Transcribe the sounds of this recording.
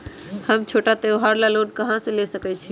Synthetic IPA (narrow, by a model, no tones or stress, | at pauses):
həmt͡ʃʰoʈat̪eɦaɾlalonkəɦãsẽlesəkɛt͡ʃʰi